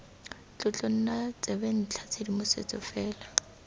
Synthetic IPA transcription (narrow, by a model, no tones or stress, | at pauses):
t͡ɬʼʊt͡ɬʼon̩nat͡sʼɛben̩t͡ɬʰat͡sʰedimʊsḛt͡sʼɔfɛːla